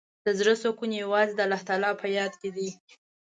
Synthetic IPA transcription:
d̪̥əzɾəsokunjawɑzed̪əalaht̪alɑpəjɑd̪ked̪i

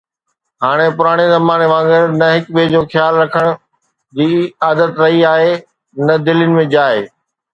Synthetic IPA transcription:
ɦaːɽ̃epʊɾaːɽ̃ezɐmaːneʋãːŋɡəɾnɐɦɪkɓeːd͡ʑoːxjaːlɾɐkʰəɽ̃ʊ̆ | d͡ʑiːaːd̪ət̪ɾɐɦiaːɦe | nɐd̪ɪljʊnɪ̆mẽd͡ʑaːɦeː

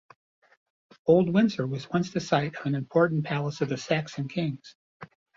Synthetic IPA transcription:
oʊlˠd̚wɪ̃nzə˞wʌzwʌ̃nsðɨsaɪɾʌvɨ̃nɨ̃mpʰɔɹʔn̩pʰælˠəsʌvðɨsæksɨ̃nkʰɪ̃ŋz̥

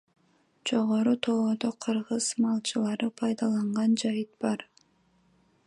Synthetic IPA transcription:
d͡ʒo̞ʁo̞ɾut̪ʰo̞od̪oqʰɯɾʁɯzmɑlˠt͡ʃʰɯlˠɑɾɯpʰɑjd̪ɑlˠɑɴʁɑnd͡ʒɑjɯt̪̚bɑɾ

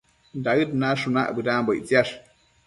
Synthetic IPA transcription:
nd̪aɨd̪nãːʂunã̰ʔbɨɾãboʔt͡siaʂ

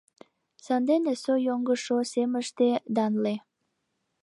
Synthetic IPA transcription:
sɑnd̪enesojoŋɡəʃoseməʃt̪ed̪ɑnle

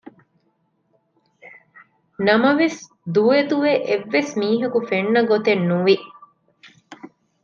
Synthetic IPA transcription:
nɐmɐʋes | d̪ued̪uʋeʔeʋːesmiːɦɐkufenːɐɡot̪enːuʋi

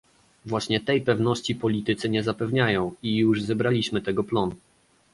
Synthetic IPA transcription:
vwaɕɲɛt̪ɛjpɛvnɔɕt͡ɕipɔlʲit̪ɘt̪sɘɲɛzapɛvɲajɔ̃w̃ijuʐzɛbɾalʲiɕmɘt̪ɛɡɔplɔnu

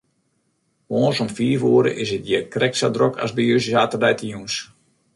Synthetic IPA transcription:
ʋoːnsɔmfiːfoːəɾə̰ʔɪsɪt̚jɛkrɛk̚sadrokʰa̰sbiøssaːtərdɛjtəjuns

